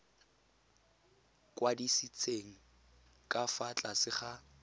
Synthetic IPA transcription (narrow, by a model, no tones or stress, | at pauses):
kʼwadisit͡sʰeŋ̩ | kʼafat͡ɬʼasɪχa